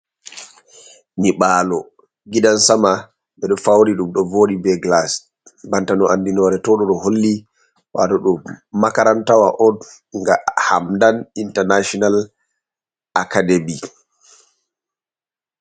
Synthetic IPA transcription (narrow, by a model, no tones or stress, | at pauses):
niɓaːlɔ | ɡidansama | ɓɛɗɔfawɾiɗumɗɔvoːɗibɛɡlas | bantanɔandinɔɾɛtɔɗɔɗɔholːi | wa̰tɔɗɔmakaɾantawaʔɔn | ŋɡaha̰mdanintɛnaʃɔnal | akademi